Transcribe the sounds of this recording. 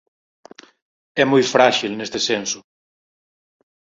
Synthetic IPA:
ɛmojfɾaʃilnest̪ɪsensʊ̥

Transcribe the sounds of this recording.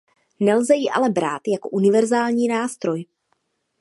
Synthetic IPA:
nɛlzɛjɪʔa̰lɛbɾa̰ːt̪jakoʔunɪvɛɾzaːlɲiːnaːst̪ɾo̞j

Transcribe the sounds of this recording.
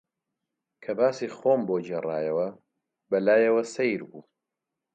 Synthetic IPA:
kʰɐbaːsiːxoːmboːd͡ʒerˤa̰ːjɐwɐ | bɐlaːjɐwɐsejɾbuː

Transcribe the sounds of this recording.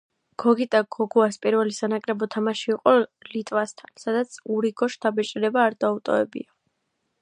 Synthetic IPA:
ɡ̥ɔɡit̪ʼaɡ̥ɔɡuaspʼiɾvɛlisanakʼɾɛbɔt̪ʰamaʃiːqʼɔlit̪ʼvast̪ʰansad̪at̪sʰuɾiɡɔʃt̪ʰabɛt͡ʃʼiɾɛbaːɾd̪aut̪ʼɔ̰vɛ̰bḭa

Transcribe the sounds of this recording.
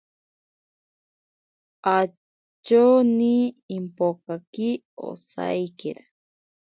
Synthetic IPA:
a | t͡ʃoniːmpokaki | o̰sa̰jkeɾa

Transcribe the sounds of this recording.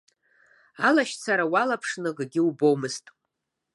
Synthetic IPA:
alaʃt͡sʰaɾawalapʰʂnɨɡɡʲɪubo̞wmɨztʼ

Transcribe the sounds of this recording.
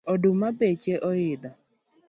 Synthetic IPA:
ɔdʊmabet͡ʃeʔɔjɪd̪a

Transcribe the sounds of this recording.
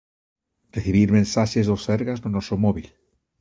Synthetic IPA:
reθiβiɾmẽnsaʃezðoseɾɣaznonosomoβil

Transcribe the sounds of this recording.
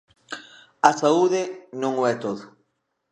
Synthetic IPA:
asauðenõŋoɛt̪oðo

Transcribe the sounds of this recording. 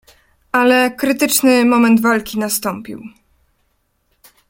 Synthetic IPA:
ʔalɛkɾɘt̪ɘt͡ʂnɘmɔmɛnd̪valkʲinast̪ɔmpʲḭw

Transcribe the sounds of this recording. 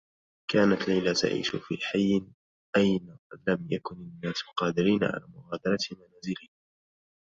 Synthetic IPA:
kʰaːnat̪lajlat̪a̰ʕḭːʃʊfḭːħajːɪn | ʔajnalamjakʊnɪnːaːslqɑːd̪ɪɾiːnaʕa̰la̰ːmʊɣaːd̪ɑɾˤɑt̪manaːzɪlɪ

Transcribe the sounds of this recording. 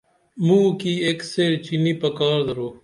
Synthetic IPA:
mũːkiːeːkseːɾt͡ʃiniːpəkaːɾd̪əɾoː

